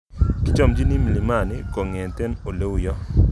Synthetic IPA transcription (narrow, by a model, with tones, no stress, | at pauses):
kɪ˦t͡ʃɔ˦˨md͡ʒi˦ni˦mi˨li˨ma˦˨nɪ˦ko˨ŋe˨ntɛ˦no˨le˦wu˨jɔ˦